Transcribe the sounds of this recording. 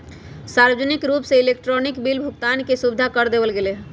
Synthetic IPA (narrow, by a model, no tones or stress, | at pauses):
saɾəd͡ʒənikɾupseilekʈɾɔnikbilbʱukt̪ankesubd̪ʱakəɾd̪ebəlɡeleɦ